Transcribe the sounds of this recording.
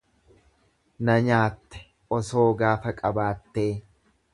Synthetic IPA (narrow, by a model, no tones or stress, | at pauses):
nɐɲaːt̪ːɛ̥ | ʔɔso̞ːɡaːfɐkʼɐbaːt̪ːe̞ː